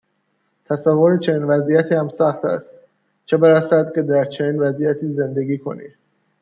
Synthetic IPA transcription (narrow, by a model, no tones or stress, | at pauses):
t̪ʰæsævːoɾet͡ʃʰe̞niːnvæzijæt̪ʰiːhæmsæxt̪ʰæ̰st̪ | t͡ʃʰebeɾæsæd̪cʰʲe̞d̪æɾt͡ʃʰe̞niːnvæziːjæt̪ʰiːze̞nd̪e̞ɡiːkʰo̞̰nḭːd̪